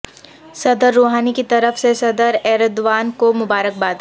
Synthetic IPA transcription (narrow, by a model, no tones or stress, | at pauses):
sɐd̪əɾːoːɦaːnikit̪ɐɾəfsesɐd̪əɾɛːɾəd̪ʋaːnkomʊbaːɾək̚baːd̪